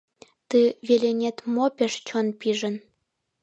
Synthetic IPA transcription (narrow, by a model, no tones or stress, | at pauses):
t̪ɨβelenʲet̪mopʲeʃt͡ɕonpiʒə̆n